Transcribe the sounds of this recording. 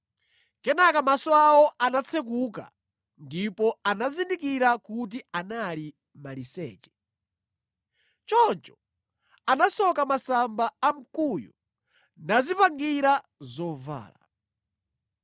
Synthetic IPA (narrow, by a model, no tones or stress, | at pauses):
kɛnakamasɔawɔanat͡sʰɛk̬uk̬a̰ | ndipɔanazindikiɾakut̬ianali | malisɛ̰ːt͡ʃɛ̥ | t͡ʃɔnt͡ʃɔ | anasɔkamasambaːm̩kujṵ | nazipaŋɡiɾa | zɔva̰ːla